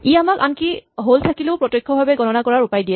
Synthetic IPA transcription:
iamaka̰nkiɦoltʰakileʊpɹɔtjɔjkʰːɔbʱabɛɡɔnɔnakɔɹaɹupajdijɛ

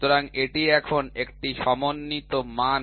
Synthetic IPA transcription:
t̪oɾaŋeʈiɛkʰonekʈiʃɔmonːit̪oman

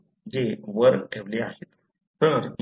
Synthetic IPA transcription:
d͡ʑeʋəɾɡ̚ʈʰeʋleaset̪ | t̪əɾ

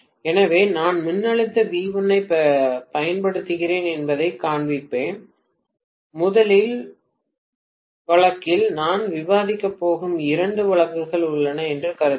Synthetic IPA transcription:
ɛnɐʋeːnaːnmʊnːɐɭɪt̪ːɐʋiːʋɐnɐɪpɐjɐnpɐɽɯt̪ːɯɣɪɾeːnɛnbɐðɐɪkːaːɳʋɪpːeːn | mʊðɐlɪl | ʋɐɭɐkːɪlnaːnʋɪʋaːðɪkːɐpːoːɣɯmɪɾɐɳɖɯʋɐɭɐkːɯɣɐɭʊɭːɐnɐɛndrɯkɐɾɯð

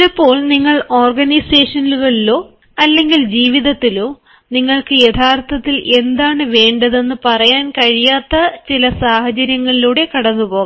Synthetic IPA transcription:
epːo̞ːɭniŋːɐɭo̞ːrɡɐnijse̞ːʂɐniluɣɐɭilo̞ː | ɐlːe̞ŋɡild͡ʑiːʋiðɐt̪ːilo̞ː | niŋːɐɭkɨjet̪ʰaːrt̪ʰɐt̪ːile̞nd̪aːɳɨʋe̞ːɳɖɐðenːɨpɐrɐjaːnkɐɻijaːt̪ːɐt͡ɕilɐsaːhɐt͡ɕɐɾjɐŋːɐɭiluːɽe̞kɐɽɐnːupo̞ːɣɐ

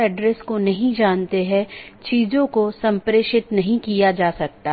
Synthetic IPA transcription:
ɛɖɾɛskonɐɦĩd͡ʒaːnt̪eɦɛ̃t͡ʃiːzõkosɐ̃mpɾeːʃɪt̪nɐɦĩkijad͡ʒaːsɐk̚t̪a

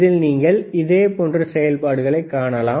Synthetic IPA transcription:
ðɪlniːŋɡɐɭɪðeːpoːndrɯsɛjɐlpaːɽɯɣɐɭɐɪkːaːɳɐlaː

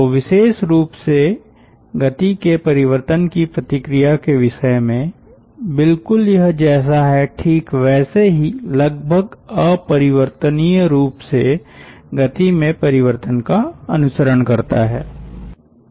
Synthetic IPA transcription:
oʋɪʃeːʃɾuːpse | ɡɐt̪ikepɐɾɪʋəɾt̪ənkipɾɐt̪ɪkɾijakeʋɪʃəemẽ | bɪlkʊljɐɦd͡ʒɛːs̬aɦɛʈʰiːkʋɛːseɦilɐɡ̚bʱəɡəɔpɐɾɪʋəɾt̪ənijɾuːpseɡɐt̪imẽpɐɾɪʋəɾt̪ənkaɐnʊsəɾəɳkɐɾt̪a̰ɦɛː

